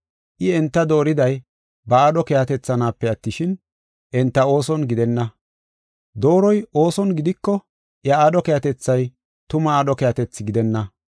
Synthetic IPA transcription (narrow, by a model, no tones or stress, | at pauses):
ʔɪɛnt̪ːɐd̪o̞ːɾɪd̪ɐj | bɐaːɗɔkɛjat̪ɛt͡sːɐnaːpːɛɐt̪ːɪʃɪn | ʔɛnt̪ːɐo̞ːsɔnɡɪd̪ɛnːɐ | d̪o̞ːɾɔjo̞ːsɔnɡɪd̪ɪkːɔ | jɐaːɗɔkɛjɐt̪ɛt͡sːɐj | t̪ʊmɐaːɗɔkɛjɐt̪ɛt͡sːɪɡɪd̪ɛnːɐ